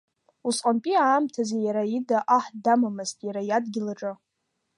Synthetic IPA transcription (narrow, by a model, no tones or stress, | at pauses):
usʼqʼanpʼiaːmtʰazejaɾaidaʔaħdamamɨztʼjaɾajadɡʲɪlaʈ͡ʂʼɨ